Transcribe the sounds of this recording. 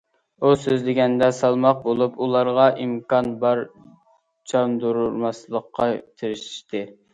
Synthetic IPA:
usøzlɪɡʲɛnd̪ɛsɑlˠmɑq̚bolˠupulˠɑɾʁɑʔimkɑnbɑɾ | t͡ʃʰɑnd̪uɾuɾmɑslˠəqʰːɑt̪ʰeɾɪʃi̥ʃt̪ʰɪ

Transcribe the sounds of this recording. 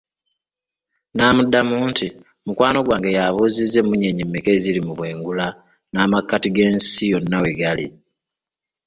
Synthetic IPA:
naːmudːamuːnti | mukwaːno̞ɡwaːŋɡejaβuːzizːe̞muɲe̞ɲimːeke̞zilimuβwe̞ːŋɡula | naːmakːatiɡe̞ːnsijo̞nːaweɡalḭ

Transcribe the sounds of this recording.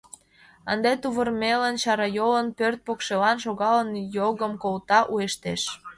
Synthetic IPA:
ənd̪et̪uβərmelənt͡ɕɑɾɑjolənpørt̪̚pokʃelɑnʃoɣɑlənjoɣəmkolt̪ɑʔueʃt̪eʃ

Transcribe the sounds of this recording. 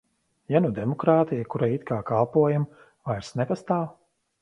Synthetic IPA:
janud̪emɔkɾaːt̪ijakuɾait̪kaːkalˠpuɔjam | vajɾsnɛpast̪aːw

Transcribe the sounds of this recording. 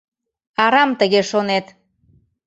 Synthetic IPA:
ɑɾɑmt̪əɣeʃonet̪

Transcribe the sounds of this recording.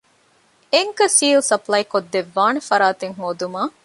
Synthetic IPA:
eŋkɐsiːlsɐplɐjkod̪ːeʋːaːnefɐɾaːt̪eŋɦoːd̪umaː

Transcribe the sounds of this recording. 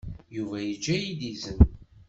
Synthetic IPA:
juvæjəd͡ʒːæjid̪izən

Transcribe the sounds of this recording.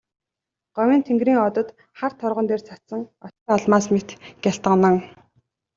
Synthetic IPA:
ɢ̥œwʲiːnt̪ʰeŋɡriːŋɔt̪ɞ̆t̪ | χart̪ʰɔɾʁɞ̆nt̪eːrt͡sʰat̪sə̆ŋɔt͡ɕːɔɮmaːsmet̪ɡ̥ʲjaɬt̪ə̆nə̆ŋ

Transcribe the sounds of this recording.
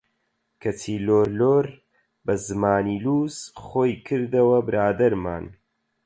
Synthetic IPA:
kʰɐt͡sʰiːloːɾloːɾ | bɐzɨmaːniːluːzχoːjkʰɨɾd̪ɐwɐbɨɾʔaːd̪ɐɾma̰ːn

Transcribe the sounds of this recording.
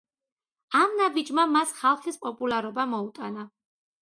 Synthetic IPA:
amnabid͡ʒmamasχalˠχispʼɔpʼulˠaɾɔbamɔut̪ʼana

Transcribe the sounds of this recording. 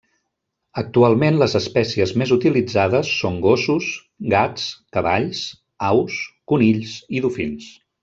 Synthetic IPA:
ək̚t̪ualˠmenləzəspɛsiəzmezut̪ilid͡zaðəsːoŋɡosus | ɡat͡skəβaʎs | awskuniʎsiðufins

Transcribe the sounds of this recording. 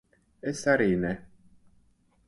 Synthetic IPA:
esaɾine

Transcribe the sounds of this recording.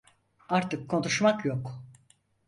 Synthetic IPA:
aɾt̪ɯkʰːo̞nuʃmakjok

